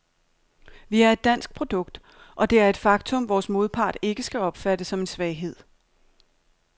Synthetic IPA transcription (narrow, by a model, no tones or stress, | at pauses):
ʋiæɐe̝d̥ːæn̰sɡ̥̚pʰʁo̝d̥ɔ̽ɡ̥̚d̥ | ʔɒ̽d̥e̝æɐe̝d̥fɑ̈ɡ̥t͡sʰɔ̽mʋɒːsmo̝ðˠpʰɑ̰̈ːd̥e̝ɡ̥əsɡ̥æɒ̽b̥fæd̥əsɒ̽me̝nsʋɛɪɦe̝ð̞̰ˠ